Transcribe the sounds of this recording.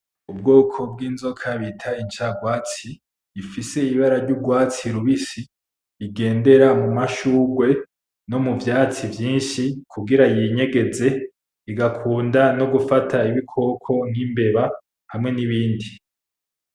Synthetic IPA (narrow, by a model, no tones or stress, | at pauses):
ubɡo̞ːkʰo̞b̚ɡiːnzo̞kʰaβitʰaint͡ʃaɡwaːt͡siː | fise̞iβaɾaɾɟuɡwaːt͡siɾuβisiː | ɡe̞ːnde̞ɾamumaʃuːɡwe̞ | no̞muvjaːt͡sivjiːnʃikʰuɡiɾajiɲe̞ɡe̞ze̞ | iɡakʰuːndano̞ɡufatʰaiβikʰo̞ːkʰo̞n̥himbe̞βa | hamŋe̞niβiːndi